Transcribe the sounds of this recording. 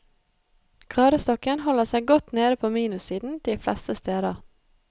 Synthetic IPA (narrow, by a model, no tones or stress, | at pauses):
kʰɑːɾəst̪ɔkənhɔləsæɪɡɔt̪neːɾəpʰoːmiːnʉsiːd̪n̩d̪̥iːflɛ̰st̪əst̪eːd̪ɑ